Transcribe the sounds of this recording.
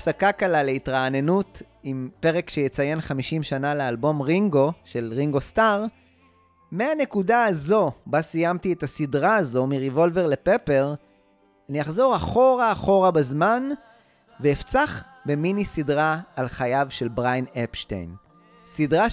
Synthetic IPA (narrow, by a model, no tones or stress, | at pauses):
sakakalaleitʁaːne̞nut | impeʁekʃejet͡saje̞nχamiʃimʃanalealbo̞mʁiŋɡo̞ʃe̞lʁiŋɡo̞staʁ | meane̞kudaːzo̞basijamt̪ietasidʁaːzo̞miʁivo̞lve̞ʁlepepe̞ʁ | anijaχzo̞ʁaχo̞ʁaːχo̞ʁabazman | veːft͡saχ | be̞minisidʁaːlχajavʃe̞lbʁajnepʃtḛjn | sidʁa